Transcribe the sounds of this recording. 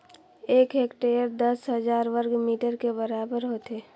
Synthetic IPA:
eːkɦeːkʈeəɾd̪əsɦəzaːɾʋəɾɡmiːʈəɾkebəɾaːbəɾɦot̪eː

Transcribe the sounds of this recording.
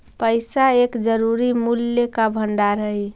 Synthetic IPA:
pəɪsaekd͡ʒəɾuɾimuljekabʱəɳɖaɾəi

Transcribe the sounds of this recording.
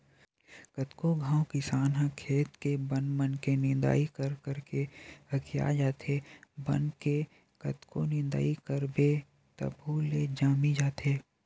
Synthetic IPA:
kət̪koɡʱãːwkɪsaːnɦãkʰeːt̪kebənmənkenɪ̃nd̪a̰ːikəɾkəɾkehəkʰija̰d͡ʒaːt̪ebə̰nke | kət̪konɪ̃nd̪a̰ːikəɾbe | t̪ə̰bʱuleːd͡ʒaːmid͡ʒaːt̪eː

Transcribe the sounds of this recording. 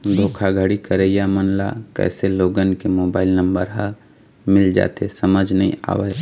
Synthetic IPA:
d̪ʱoːkʰaɡʱəɽikəɾejamənla̰kɛ̰ːseloːɡənkemoːbaːɪlnə̃mbəɾɦə | mɪld͡ʒa̰ːt̪esəməd͡ʒʱnəɦḭ̃a̰ːʋeː

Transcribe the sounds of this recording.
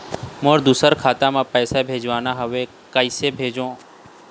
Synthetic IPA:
mõːɾd̪usəɾkʰaːt̪amãːpəːsabʱeːd͡ʒʋaːnaɦəʋe | kəɪsebʱeːd͡ʒõː

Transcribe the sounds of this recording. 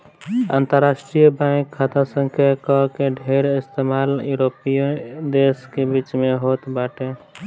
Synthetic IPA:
ã̰ːnt̪əɾːaːsʈɾijbãkʰːaːt̪ʰasə̃ŋkʰjakɔkeɖʱeːɾɪst̪eːmaːljuːɾopijõd̪eːskebiːt͡ʃmẽɦoːt̪baːʈe

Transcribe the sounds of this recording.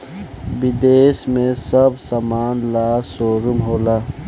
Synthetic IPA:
bid̪eːsmẽsɐbsamaːnlaːsoːɾumɦoːlaː

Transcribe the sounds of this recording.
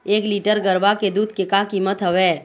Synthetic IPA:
eːkliːʈəɾɡəɾʋaked̪uːd̪̚kekakiːmət̪ɦəʋeː

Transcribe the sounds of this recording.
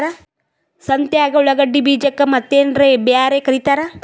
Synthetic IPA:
ɾɐ | sɐnt̪jaːɡɐuɭɐɡɐɖːibiːd͡ʒɐkːɐmɐt̪ːeːnɾebjaːɾekɐɾit̪aːɾɐ

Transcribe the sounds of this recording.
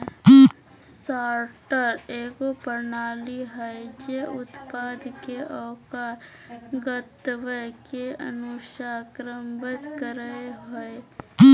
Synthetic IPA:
saːɾʈəɾeːɡopəɾnaːliɦəed͡ʒeʔʊt̪paːd̪keʔɔːkaːɾ | ɡət̪ʋəkeə̰nuʃaːkɾəmbət̪kəɾəeɦoe

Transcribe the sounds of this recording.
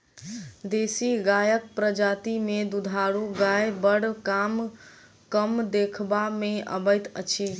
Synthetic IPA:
d̪esiɡajək̚pɾəd͡ʒat̪imed̪ud̪ʱaɾuɡajbəɽkam | kəmd̪ekʰbameə̰bəjt̪ə̰t͡ʃʰi

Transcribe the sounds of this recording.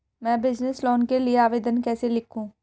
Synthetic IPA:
mɛ̃ːbɪd͡ʒnɪslɔːnkelɪeaːʋeːd̪ənkɛːseːlɪkʰũː

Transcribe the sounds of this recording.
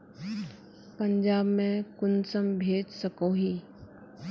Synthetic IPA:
pəɲd͡ʒaːbmẽkʊnsəmbʱeːd͡ʒsəkõːɦiː

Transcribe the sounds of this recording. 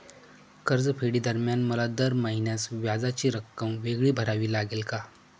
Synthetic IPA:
kəɾd͡zpʰeɽiːd̪əɾmjanməlad̪əɾməɦinjasʋjad͡zat͡ɕiːɾəkːəmʋeɡɭiːbʱəɾaʋiːlaɡelka

